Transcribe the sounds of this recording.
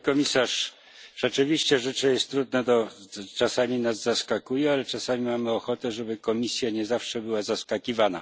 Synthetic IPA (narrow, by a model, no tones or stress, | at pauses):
kɔmʲisaʂ | ʐ̥ɛt͡ʂɘvʲiɕt͡ɕɛʐɛt͡ʂɛjɛst̪ːɾud̪̚nɛt̪ɔt͡ʂasamʲinazzaskakujɛalɛt͡ʂasamʲimamɘɔxɔt̪ɛʐɛbɘkɔmʲisʲjaɲɛzafʂɛbɘwazaskakʲivana̰